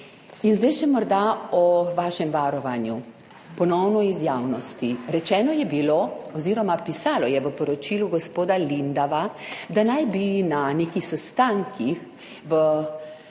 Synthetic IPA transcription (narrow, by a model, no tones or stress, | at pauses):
inzd̪ɛjʃɛmɔɾd̪aɔʋaːʃɛmʋaːɾɔʋanju | pɔnɔwnɔizjaːwnɔst̪iɾɛt͡ʃɛːnɔjɛbiloɔziːɾɔmapisaːlɔjɛʋəpɔɾɔt͡ʃiluɡospoːd̪alind̪aʋad̪anajbinanekixsɛst̪aŋkʰix | ʋə